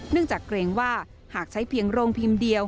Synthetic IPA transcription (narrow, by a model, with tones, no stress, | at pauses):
nɯ˥˩əŋt͡ɕaː˨˩kɾeː˧ŋwaː˥˩ | haː˨˩k̚t͡ɕʰa˦˥jpʰi˧əŋɾoː˧ŋpʰi˧mdi˧əw